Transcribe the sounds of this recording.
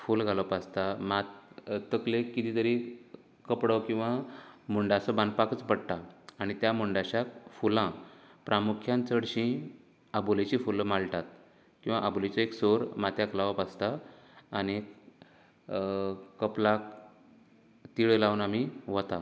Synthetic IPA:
fulɡʱaləpast̪amat̪t̪əklekːit̪iːt̪əɾi | kəpɽəkĩw̃ʋamuɳɖasəbãnd̪pakət͡spəɽt̪aːɽ̃it̪jamuɳɖaɕakfulãpɾʔamukʰjãnt͡səɽɕĩ | abulet͡ɕifulmalʈat̪̚ | kĩw̃ʋaʔabulet͡ɕaeksoɾmat̪ʰjaklaʋəpast̪aː | ni | kːəplak̚ | t̪iɭəlaunam̤iʋət̪a

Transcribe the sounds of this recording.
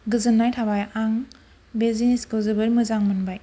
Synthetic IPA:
ɡɯzɯnːajtʰabajaŋ | beziniskɯwzɯbɯɾmɯzaŋmɯnbaj

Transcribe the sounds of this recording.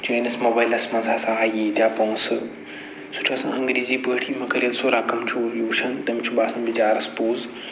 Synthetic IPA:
d͡ʒeːnɐsmoːbaːilɐsmɐzʱaːsãɦaːjiːd̪ʲjaːpɐũsɨ | sʊ̥ʈʰasã̰ɐ̃ŋɡɾiːziːpəːʈʰiːmɐkɐlijɐnsoːɾaːkɐmt͡ʃʰoːljuːʃɐnt̪ɐmt͡ʃʰuɓaːsɐ̃nbid͡ʒaːɾɐspoːz

